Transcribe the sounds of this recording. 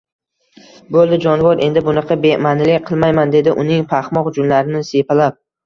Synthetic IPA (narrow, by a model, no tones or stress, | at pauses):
bolˠd̪ɪd͡ʒɒnvɒɾʔe̞nd̪ɪbʊnɑqʰɑbemanɪlɪqʰɨlˠmajmand̪e̞d̪ɪʔʊnɪŋpʰaχmɒqʊd͡ʒʊmlaɾɪnɪsepʰalap̚